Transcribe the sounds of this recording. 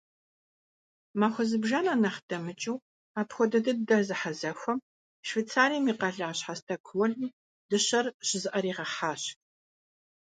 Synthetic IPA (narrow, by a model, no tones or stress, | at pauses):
maxʷɔzɨbʒaːnaːnɐχd̥ɐmɨt͡ʃʼɪw | aːpxʷɔdɐdɨdɐzɨħazɐxʷɔm | ʃfiːt͡sʰaːɾiːmiːqɐɮaaːɕħastʰɐkʷʰwɔɮm | d̥ɨɕɐrɕɪzɨʔɐɾiːʁɐħaːɕ